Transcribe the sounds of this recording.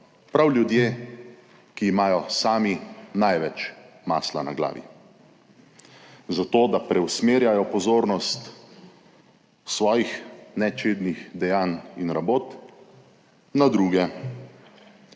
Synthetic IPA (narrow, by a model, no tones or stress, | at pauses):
pɾawljud̪jeː | kiːmaːjɔsaːminajʋɛt͡ʃ | ma̰ːsla̰na̰ɡla̰ːʋḭ | zat̪oːd̪apɾɛwsmeːɾjajɔpɔzoːɾnɔst̪ | sʋɔːjixnɛt͡ʃed̪nixd̪ɛjaːninɾaboːt̪ | nad̪ɾuːɡɛ